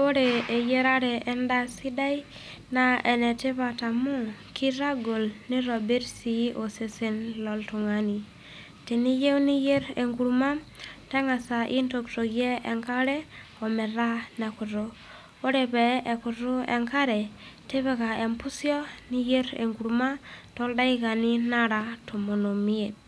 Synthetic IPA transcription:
o˦ɾe˨e˨je˦ɾa˦ɾɛ˨e˦nda˦si˦da˦i˦ | na˦e˨ne˨te˦βa˨ta˨mu˦ki˦ɾa˦ɡo˨lni˦ɾo˨be˦ɾsi˨˦ʔo˨se˨se˦nlo˦ltu˨ŋa˨ni˨ | te˨ni˦je˦wni˦je˦ɾe˨ŋɡu˨ɾu˨˦ma˦m | ta˦ŋa˨sa˨ʔi˦nto˨kto˨kjɛ˦ɛ˨ŋka˦ɾɛ˦ | ɔ˨mɛ˨ɾa˦nɛ˨kʊ˨ɾo˦ | o˦ɾe˨pɛ˨ɛ˨kʊ˨ɾo˦ɛ̰˨ŋka˦ɾɛ˨te˦βɛ˨ka˨e˨mpu˦sjɔ˦ni˦je˦ɾḛ˨ŋku˨ɾma˦tɔ˦lda˦i˦ka˨ni˦na˦ɾa˨to˨mo˨no˨mi˦e˨t̚

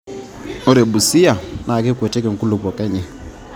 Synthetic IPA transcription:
o˦ɾe˨bu˨sɪ˦a˨na˨ke˦kwɛ˨tɛ˦kɛ˨ŋ̩˨ku˦lo˨pɔ˨kɛ˦ɲɛ˨

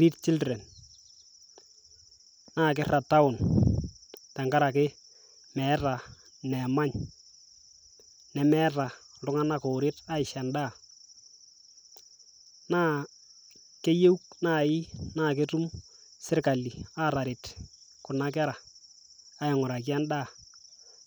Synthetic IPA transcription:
ɾi˦tt͡ʃɪ˦ltɾɛ˨n | naː˦k̬ɪ˦ra˨ta˦ʊ˨n | tɛ˨ŋɡa˦ɾa˨kɪ˦ | mɛ˨˦ta˨ | nɛ˨ma˦ɲ | nɛ˨mɛ˦ta˨lʊ˦ŋa˦na˦ko˨ɾe˦ta˦ɪ˨ʃɛ˨nda˦˨ | naː˦ | ke˦je˦u˦knaː˦˨ɪ˦naː˦˨ke˦tu˦m | sɪ˦rka˨li˨a˦˨ɾa˨ɾɪ˨t | kʊ˨na˦k̬a˦ɾa˨ | a˦ɪ˨ŋʊ˨ɾa˨kja˦nda˦˨

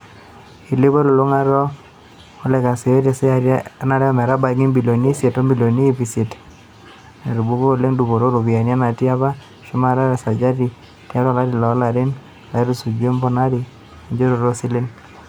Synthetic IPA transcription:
i˨lɪ˦βɔ˦lo˨lo˦ŋa˦ɾɔ˦ | o˦lɛ˨ka˨se˨o˦ɾa˨sɛ˦aɾna˦ɾɛ˦a˦mɛ˨ɾa˦ba˨ki˦mbi˨lo˨ni˦se˨tɔ˦mbi˨lo˨niː˦fi˨se˨t | ne˨ɾu˨bu˦ko˦˨le˦ŋdu˨bo˨ɾo˦ɾo˨βi˨a˨n˦a˦na˨ti˦a˦βa˦ | ʃʊ˦ma˨ɾa˦ɾɛ˨sa˨d͡ʒa˦ti˨ | ti˦a˦ɾa˨la˦ɾi˨la˨˦la˨ɾɪ˦n | a˨˦ɾu˦su˨d͡ʒe˦mbɔ˦na˦ɾi˨ | ɲd͡ʒo˦ɾo˨ɾo˦sɪ˦lɪ˦n

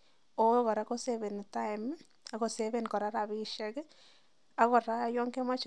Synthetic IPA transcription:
o˦kɔ˨ɾa˨˦ko˦seβɛ˨n˨ta˦ɪm | a˦ko˨seβɛ˨nkɔ˨ɾa˦ɾa˨biʃɛ˦k | a˦kɔ˨ɾa˦jɔ˦ŋke˦ma˦t͡ʃ

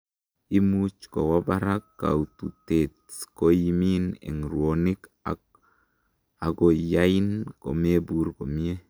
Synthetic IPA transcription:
i˦mu˦t͡ʃko˨wa˦ba˦ɾa˦kːa̰˨ut̪u˨te˨tsko˦ji˦mi˦nḛ˨ŋɾwo˨ni˦ka̰ | a˨ɡo˨ja˦i˦nko̰˨me˦bu˨ɾko˨mi˦e˦

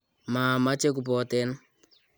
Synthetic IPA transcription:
maː˨ma˦t͡ʃe˦ku˨p̬ɔ˨tɛ˦n

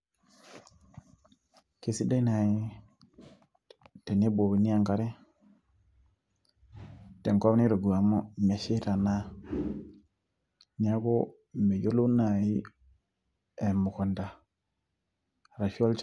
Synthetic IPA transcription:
ki˦si˦da˦na˨ji˦ | te˨ne˦bo˨bi˨ni˦a˦˨ŋka˦ɾe˦ | te˨ŋko˦wni˦ɾo˨ɡu˨a˨mo˦me˨ʃi˦ta˨na˦ | ɲa˦ɡo˦ | me˨jo˦lu˦na˨ji˦ | e˨mu˨ko˨nda˨ | ɾa˨ʃo˦lt͡ʃ

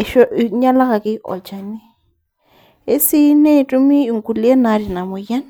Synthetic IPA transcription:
e˨ʃo˦ʔɲã˦la˦ɣa˧ki˧˦ʔo̰˨t͡ʃa˨nĩ˦ | e˦si˧nẽ˦˧ʈ͡ʂu˧mĩ˦u˨ŋku˧li˦e˦nã˧ɾi˨nã˨mũ˨ja˦n

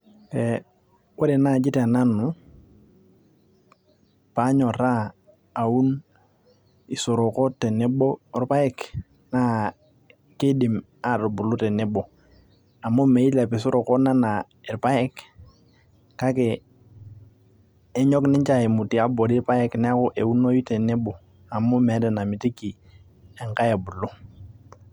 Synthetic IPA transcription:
ke˨ | wo˦ɾe˨na˦˨d͡ʒi˦te˨a˨na˦nu˨ | pa˨˦ɲɔ˨ɾaː˦˨ | u˦n | i˨so˨ɾo˨ko˦te˨ne˦bo˦ɾpa˦ɛ˦k | na˦ | ki˦di˨m | a˨ɾo˨bu˨lu˦te˨ne˦bo˨ | a˨mʊ˦me˨i˦la˨pi˨s̬ʊ˦ɾʔo˨kɔ˦na˦na˨ | ɛ˨pa˦jɛ˦k | ka˦ke˨˦ | ɲɔ˦knɪ˦ɲt͡ʃa˦e˨mu˨ti˨a˦bo˨di˦ɾpa˦jɛ˦knɛ˦a˦ko˦ʔe˨u˦no˦ji˦te˨ne˦bo˨ | a˨mʊ˦mɛ˨˦dɛ˨na˨mi˨ti˦ki˨ | ɛ˨ŋka˦je˨bu˨lo˦

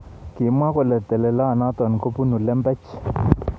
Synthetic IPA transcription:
ki˨mwa˦kɔ˨lɛ˨t̪ɛ˨lɛ˨la˦˨na˦t̪wa˨n˨ko˦pu˦nu˨lɛ˦mbɛ˦t͡ʃ

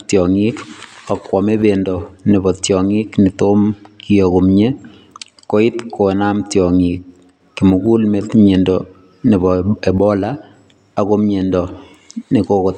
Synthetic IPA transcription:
tjɔ˨ŋikɔ˨kwɔ˨mebendɔni˨bɔ˨tjɔŋikni˨toːmkioko˨mɲe˦ | ko˦i˦tkʰo˨namtjɔŋik̚ː | i˨mu˨ku˦lmetme˨ndɔ | ni˨bɔebɔ˦laː | komje˨ndɔ | ni˨koko˨t

